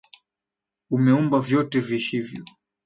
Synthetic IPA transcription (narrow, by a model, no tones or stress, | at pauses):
umɛumbavjɔtɛviʃivjɔ